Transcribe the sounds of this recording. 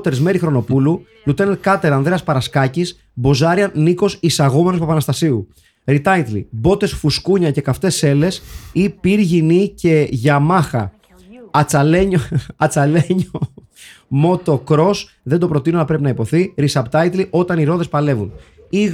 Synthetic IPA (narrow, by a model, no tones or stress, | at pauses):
t̪eɾezme̞ɾixɾo̞no̞pulu | lut̪enet̪kɐt̪eɾɐnd̪ðɾe̞ɐspɐɾɐskɐcis | bo̞zɐɾiɐniko̞sisɐɣomenopepɐnɐst̪ɐsiu | ɾit̪ɐit̪lḭbo̞t̪e̞sfuskuɲɐce̞kɐft̪e̞se̞le̞sipiɾʝinice̞ʝɐmɐxɐ̰ | ɐt͡sɐle̞ɲoɐt͡sɐleɲo | mo̞t̪o̞kɾo̞s | ðe̞nd̪opɾo̞t̪inoɐlɐpɾe̞pinɐipo̞θiɾisɐpt̪ɐit̪liʔo̞t̪ɐniɾo̞ðe̞spɐle̞vun | iɣ